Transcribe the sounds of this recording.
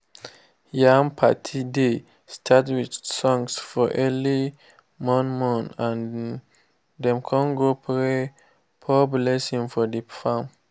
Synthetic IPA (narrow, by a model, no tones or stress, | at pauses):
jãmpʰatʰide | stʰatwidsɔ̃ŋsfɔʔɛli | mɔ̃nmɔ̃nãn | dɛ̃mkʰɔ̃nɡopʰɹe | pʰɔblɛsĩŋfɔdəfãm